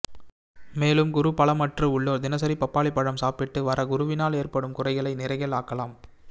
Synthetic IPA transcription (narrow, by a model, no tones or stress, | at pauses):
meːlɯmɡʊɾʊpɐɭɐmɐʈrɯʊɭːoːɾd̪ɪnɐs̬ɐɾipɐpːaːɭɪpːɐɽɐmsaːpɪʈːɯʋɐɾɐɡʊɾʊʋɪnaːleːrpɐɽɯmkʊrɐɪɣɐɭɐɪnɪɾɐɪɣɐlaːkɐlaːm